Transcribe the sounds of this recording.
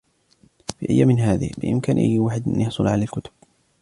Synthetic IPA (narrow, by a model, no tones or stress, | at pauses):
fḭːʔajːamɪnɦaːðɪ̰hbɪʔɪ̰mkaːnʔa̰jːwaːħɪd̪a̰njɑħsˤʊlʕalalkʊt̪ʊ̥b̥̚